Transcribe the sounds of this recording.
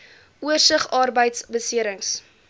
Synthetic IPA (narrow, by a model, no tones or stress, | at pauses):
uərsəχɑːrbəjtsbəsiəɾəŋs